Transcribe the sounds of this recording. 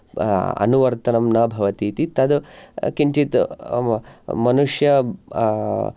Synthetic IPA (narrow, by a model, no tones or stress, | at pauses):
ɐ̰nuʋɐɾt̪ɐnɐmnɐbʱɐʋɐt̪iːt̪it̪ɐd̪kiɳt͡ʃit̪ | mɐnuʂjɐ